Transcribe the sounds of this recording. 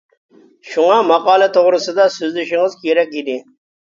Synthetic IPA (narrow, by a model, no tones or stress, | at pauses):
ʃuŋɑmɑqɑːlɛt̪ʰoʁɾɨsɨd̪ɑsyzlɪʃɪŋɨzkʲʰeɾɛkʲid̪ɪ